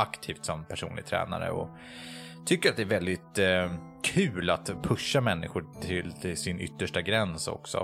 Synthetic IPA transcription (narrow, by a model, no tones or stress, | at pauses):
akt̪ʰiːft̪sɔmpʰæʂṵːnlɪɡ̚t̪ʰɾɛ̰ːna̰ɾə̰ɔ | t̪ʰʏkːəɾat̪d̪ɛæɾvɛld̪ɪt̪ | kʰʉ̟ːlat̪pʰɵʂːamɛnːɪɧʊʈʰɪlsɪnʏ̰t̪ːəʂʈaɡɾɛnsɔ̰ksɔ̰